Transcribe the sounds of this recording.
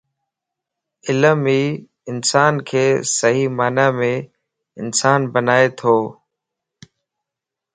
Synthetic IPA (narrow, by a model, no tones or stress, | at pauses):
ɪləmiː | ɪnsaːnkʰeːsəɦiːmaːnaːmẽː | ɪnsaːnbənaːeːt̪ʰoː